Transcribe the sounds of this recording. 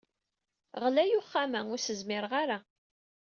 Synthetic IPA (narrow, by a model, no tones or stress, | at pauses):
ʁlæjʊχːamæŋʊɾsəzmɪɾʁaɾa